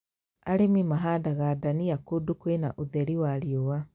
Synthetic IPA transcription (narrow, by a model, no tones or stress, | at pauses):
aɾemimaɦadaɣaːdaniakodukwena̰ʔoðɛɾiwaɾiowa